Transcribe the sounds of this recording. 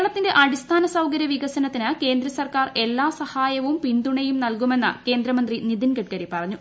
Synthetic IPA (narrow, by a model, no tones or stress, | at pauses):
ɭɐt̪ːinde̞ʔɐɽist̪ʰaːnɐsɐwkɐɾjɐʋiɣɐsɐnɐt̪ːinɨke̞ːnd̪ɾɐsɐrkaːre̞lːaːsɐhaːjɐʋumpind̪uɳejumnɐlkume̞nːɨ̰ke̞ːnd̪ɾɐmɐnd̪rinid̪inɡɐʈ̚kɐɾipɐrɐɲːu